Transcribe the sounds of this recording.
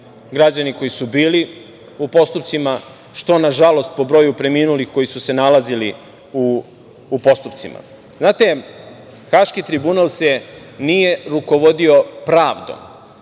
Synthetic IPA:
ɡɾad͡ʑaniko̞jisubiːli | upo̞st̪upt̪sima | ʃt̪o̞naʒalo̞st̪̚po̞bɾo̞ːjupɾe̞minulixko̞jisuse̞nalˠazili | uː | po̞st̪upt̪sima̰ | znaːt̪e̞ | xaʃkit̪ɾibunalˠse̞ | nije̞ɾuko̞ʋo̞d̪io̞pɾaːʋd̪o̞̰m

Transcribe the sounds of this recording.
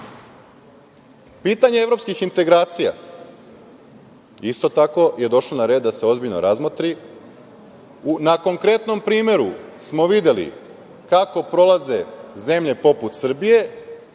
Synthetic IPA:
piːt̪aɲeevɾo̞pskixint̪e̞ɡɾaːt̪sija̰ | ist̪o̞t̪ako̞je̞d̪o̞ʃlonaɾe̞ːd̪ːase̞o̞zbiʎnoɾazmot̪ɾi | unako̞ŋkɾe̞t̪no̞mpɾiːmʲje̞ɾusmo̞ʋid̪e̞lḭ | kako̞pɾo̞lˠaze̞ze̞mʎe̞po̞put̪sr̩bije̞

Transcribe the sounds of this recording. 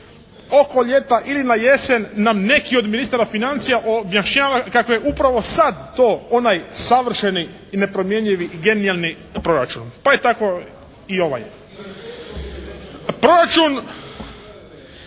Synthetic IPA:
o̞ko̞ʎe̞t̪aʔilinaje̞senːamne̞kio̞d̪minist̪aːɾafinant̪sijaʔobjaʃɲaːʋakakoje̞ʔupɾaʋo̞sad̪ːoːonajsaʋr̩ʃeniː | ne̞pɾo̞mje̞ɲʎiʋiɡe̞nialˠni | pɾo̞ɾat͡ʃunpaet̪ako̞ | io̞ʋa̰j | pɾo̞ɾat͡ʃun

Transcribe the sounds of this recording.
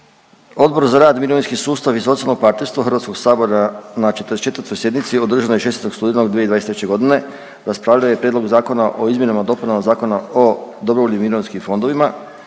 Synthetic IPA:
o̞d̪bo̞ɾzaɾaːd̪miɾoʋinskisuːst̪aʋiso̞t̪ialˠnoɡ̚paɾt̪nest̪ʋoxrɾʋat̪sko̞ɡsaːbo̞ɾanat͡ʃet̪əɾest͡ʃe̞t̪vəɾt̪o̞jsje̞d̪nit̪sio̞d̪ɾr̩ʒanojeʃe̞set̪o̥st̪uːd̪enoɡd̪ied̪aeset̪ɾet͡ɕe̞ɡo̞d̪ine̞ | ɾaspɾaːʋlʎaojepɾed̪lo̞ɡzaːko̞naʔo̞izmjenamad̪o̞punanzaːko̞naod̪o̞bɾoʋoʎimiɾoʋinskimfo̞nd̪o̞ʋima

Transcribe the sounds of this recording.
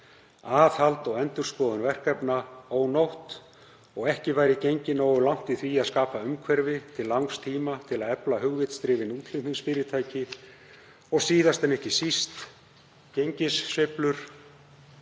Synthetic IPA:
aːθhalt̪ɔwɛnt̪ʏɾskɔːðʏnvɛr̥kɛpnaoːwnowht̪ | ɔɣɛhcɪvaːjɾɪcejɲcɪnoːwʏlawŋ̥t̪iθviːaðskaːpaʏmkʰvɛɾvɪt̪ʰɪlːawŋst̪ʰiːmat̪ʰɪlaðɛplaɦʏɣvɪt̪st̪ɾɪːvɪnuːt̪ʰlɪmɪnspɪɾɪt̪ʰaːjcɪ | ɔɣsiːðast̪ɛnɛhcɪsist̪ | cejɲcɪsːɪplʏɾ̥

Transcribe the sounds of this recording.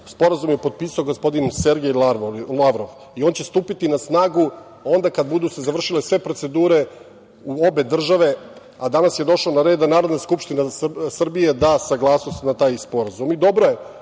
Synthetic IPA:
spo̞ɾazumjepo̞d̪̚piːsaoɡospo̞d̪inse̞ɾɡellaʋɾoʋ | io̞ːnt͡ɕe̞st̪uːpit̪inasnaːɡu | o̞nd̪akad̪̚bud̪usezaʋr̩ʃile̞sʋe̞pɾo̞t̪se̞d̪uːɾe̞ | uo̞be̞d̪r̩ʒaʋe̞ | ad̪anasje̞d̪o̞ʃaonaɾe̞ːd̪anaːɾod̪naskupʃt̪inasr̩bije̞d̪asaɡlˠaːsnost̪nat̪aːjspo̞ɾazumid̪o̞bɾoje

